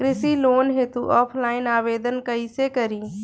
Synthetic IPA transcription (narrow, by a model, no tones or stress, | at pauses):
kɾɪsiloːnɦet̪uʔɔːpʰlaːɪnaːʋeːd̪ənkəisekəɾiː